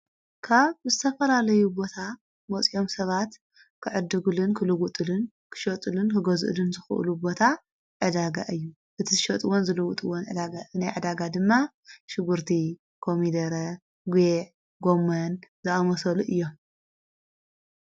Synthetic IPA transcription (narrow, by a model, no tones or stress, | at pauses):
kʰaβzɨt̪ʰɐfɐlalɐjubo̞t̪ʰa | mɐt͡sʼijo̞msɐβat̪ | kʰɨʕɨd̪ːɨɡulɨnkʰɨlɨɡut̪ʼɨlɨn | kʰɨ̥ʃɐt̪ʼɨlɨnkʰɨɡɐzʔɨ̰lɨnzɨxɨʔɨ̰lubo̞t̪ʰa | ʕɨd̪aɡaʔɨjːu | ʔɨt̪ʰizɨʃɐt̪ʼɨwonzɨlɨwut̪ʼɨwonʕɨd̪aɡaɨnajʕɨd̪aɡad̪ɨmːa | ʃɪɡuɾt̪ʰi | kʰomid̪ɐɾɐ | ɡʷeʕ | ɡomːɐnzɐʔamɐsɐluʔɨjːom